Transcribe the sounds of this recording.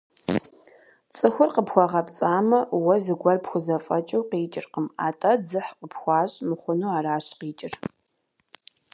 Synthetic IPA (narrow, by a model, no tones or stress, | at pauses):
t͡sʼɨxʷʊrqəpxʷɔʁɐpt͡sʼaːmɐwɐzɨɡʷɐrpxʷʊzɐfʼɐt͡ʃʼɐwqiːt͡ʃʼɪrqəma̰ːtʼɐd͡zɨħqəpʰxʷɑːɕʼmɨχʷʊnuːaːɾaːɕqiːt͡ʃʼɪr